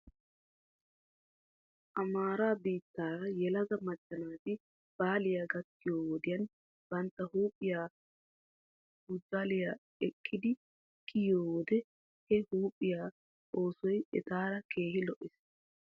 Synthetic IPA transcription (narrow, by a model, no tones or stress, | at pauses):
ʔɐmaːɾaːbiːt̪ːaːɾɐjɛlɐɡɐmɐt͡ʃʼːɐnaːt̪ɪ | b̥aːlɪjaːɡɐt̪ːɪjoːwɔd̪ɪjɐn | b̥ɐnt̪ːɐhuːpʼːɪjaː | ɡʊd͡zaːlɪjaː | ɛkʼːɪd̪ɪ | kʰʼːɪjoːwɔd̪ɛ | hɛhuːpʼːɪjaː | o̞ːsɔjɛ̰t̪aːɾɐke̞ːhɪlɔʔɪs